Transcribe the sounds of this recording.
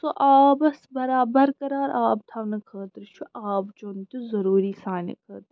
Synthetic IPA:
soʔaːbɐsbɐɾaːbɐɾkɐɾaːɾʔaːp̚t̪ʰɐʋnɐkʰəːt̪ɾt͡ʃʰuʔaːpd͡ʒoːnt̪uzɐɾuːɾiːsaːnɐ̰kʰəːɾt̪

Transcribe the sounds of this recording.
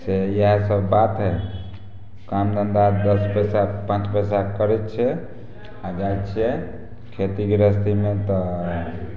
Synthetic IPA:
sejəɦsəbːat̪ɦɛ | kamd̪ənd̪ad̪əspɛsapãt͡ʃpɛsakəɾɛt̪t͡ʃʰɛ | ad͡ʒajt̪t͡ʃʰɛ | kʰet̪ikeɾəst̪imet̪ɔ

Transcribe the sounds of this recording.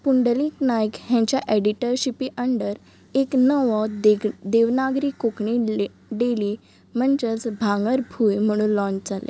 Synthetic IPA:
puɳɖəliːknajəkɦãɲt͡ɕjaʔeɽiʈəɾɕipiʔəɳɖəɾ | eknəʋɔd̪eʋnaɡɾiːkokɳi | ɖeli | məɳd͡ʑət͡sbʱaŋɡəɾbʱuːjm̤əɽ̃ũːnlɔ̃ɲt͡ɕd͡zalḛ

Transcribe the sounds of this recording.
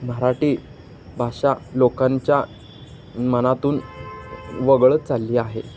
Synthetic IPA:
məɾaʈiː | bʱaɕalokãɲt͡ɕja | mənat̪uːn | ʋəɡɭt͡salːiːaɦe

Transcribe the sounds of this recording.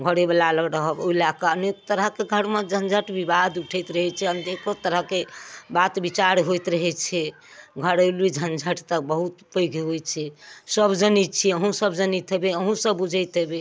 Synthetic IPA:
ɡʱəɽebəlaləɡɾəɦəboilakaənekt̪əɾəɦkeɡʱəɾmẽd͡ʒʱənd͡ʒʱəʈbibad̪uʈʰɛjt̪ɾəɦɛt͡ʃʰɛənekot̪əɾəɦkebat̪bit͡ʃaɾɦojt̪ɾəɦɛt͡ʃʰɛ | ɡʱəɾəlid͡ʒʱənd͡ʒʱəʈt̪ək̚bəɦut̪pəjɡʱeɦojt͡ʃʰɛsəbd͡ʒənit͡ʃʰiəɦũsəbd͡ʒənit̪ɦebeəɦũsəbːud͡ʒʱəjt̪ɦebe

